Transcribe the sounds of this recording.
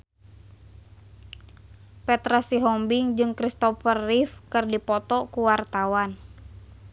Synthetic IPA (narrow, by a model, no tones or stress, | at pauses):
pɛt̪ɾasiɦɔmbiŋd͡ʒɨŋkɾist̪ɔfərːifkɨrdipɔt̪ɔkuwart̪awan